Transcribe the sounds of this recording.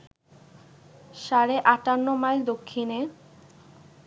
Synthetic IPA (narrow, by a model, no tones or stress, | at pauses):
ʃaɾeʔaʈanːomajd̪okʰːine